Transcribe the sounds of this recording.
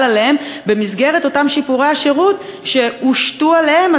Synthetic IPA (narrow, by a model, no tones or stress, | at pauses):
lalehembe̞mizɡe̞ʁeto̞tamʃipuʁeaʃeʁutʃe̞uʃtualehema